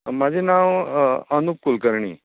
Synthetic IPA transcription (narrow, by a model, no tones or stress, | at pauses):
mad͡ʑʱinaʋənup̚kulkəɾɳḭː